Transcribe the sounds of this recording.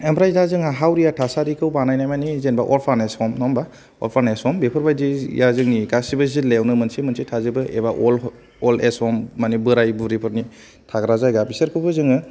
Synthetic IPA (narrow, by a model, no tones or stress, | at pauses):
embɾajzazɯŋaɦawɾijatʰasaɾikʰɯwbanajnajmanizenbaʔɔlpʰaɾnesɔmnɔmba | ɔ̰lpʰaɾnesɔmbepʰɯɾbajdḭjazɯŋnikasibɯzilejwnɯmɯnsimɯnsitʰazɯbɯʔḛbaʔɔl | ɔlesɔmːanibɯɾajbuɾipʰɯɾni | tʰaɡɾazajɡabisɯɾkʰɯbɯzɯŋɯ